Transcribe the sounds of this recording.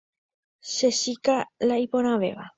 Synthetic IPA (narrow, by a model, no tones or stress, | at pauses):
sesikalaiponaʋḛʋa̰